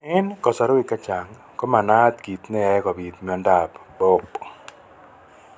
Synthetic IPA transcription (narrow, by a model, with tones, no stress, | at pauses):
ɪ˦nkɔ˨sa˨ɾɔ˦i˨ka˦t͡ʃa˨ŋ | kɔ˦ma˨na˦t̪ɡi˨t̪nɛ˦ɛ˦kɔ˨bi˨t̪mi˨ɔ˨˦nda˦˨pbo˦k